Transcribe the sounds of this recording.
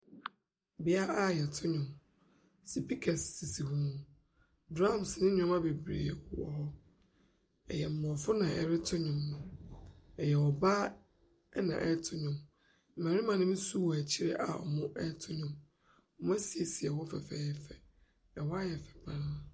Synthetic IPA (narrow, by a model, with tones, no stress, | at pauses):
bɪ˦a˦a˦˨jɛ˨tʰʊ˦ɲʊ̃˨m | si˨pi˦kʰɛ˨ssi˨si˨hũ˦mũ˨ | dɾã˦msnɪ̃˦ɲᶣʊ̃˦ma˦be˨bɾḭ˨ɛ˨˦˨wɔ̰˨hɔ˦ | ɛ̰˨jɛ˨m̩˨mɔ̃˨fʊ˦nã˨ʔɛ̰˨ɾɪ˦tʰʊ˦ɲʊ̃˨mːʊ̃˨ | ɛ˨jɛ˨ɔ˨baː˦ | nã̰˨ʔɛ˦tʰʊ˦ɲʊ̃˨m | m̩˨mɛ̃˨ɾɪ̃˦mã˨nʊ̃˦m̩˦su˦wɔ˨æ˨t͡ɕʰi˦ɾɛ˦ʔa̰˨ɔ̰˨mʊ̃˦ʔɛ˦tʰʊ˦ɲʊ̃˨m˦ | m˦a˦si˨ɛ˨si˨ɛ˨wɔ˦fɛ˨fɛ̰ː˨˦ɛ˦fɛ˨ | ɛ˨wɔ˦a˦jɛ˨fɛ̥˨bʰa˦ɾa˦